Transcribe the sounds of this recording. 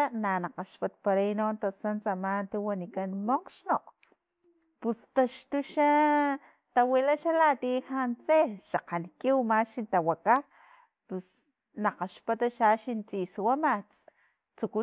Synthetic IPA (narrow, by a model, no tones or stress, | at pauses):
ananaqaʃpat̪̚paɾainont̪asant͡samant̪iwanikanmoqʃnoʔ | pust̪aʃt̪uʃa | t̪awilaʃalat̪ihant͡seʃaqankiwmaʃint̪awaka | pus | naqaʃpat̪aʃaʃint͡siswamat͡s | t͡suku